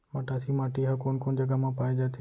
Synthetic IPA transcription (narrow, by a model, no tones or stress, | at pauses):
maʈasimaʈiɦakonkoɳd͡ʒəɡamãpaːjd͡ʒat̪ʰe